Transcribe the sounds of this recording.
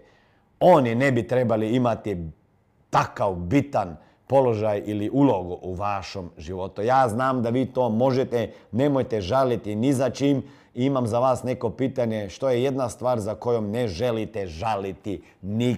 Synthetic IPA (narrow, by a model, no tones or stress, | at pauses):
o̞ninebit̪ɾe̞baliimat̪i | t̪akaʋbit̪an | po̞lo̞ʒajiliʔuloɡuʔuʋaʃo̞mʒiʋo̞t̪ujaːznaːmd̪aʋiːt̪o̞ːmo̞ʒet̪enemojt̪eʒalit̪inizat͡ʃiːm | iimamzaʋaːsne̞ko̞piːt̪aɲeʃt̪o̞jeje̞d̪nast̪ʋaːɾzako̞jomneʒe̞lit̪eʒalit̪i | ni